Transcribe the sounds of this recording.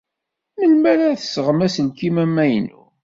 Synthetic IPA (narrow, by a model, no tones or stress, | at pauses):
məlmæɾaθə̥səʁmæsəlkimæmːæjnṵ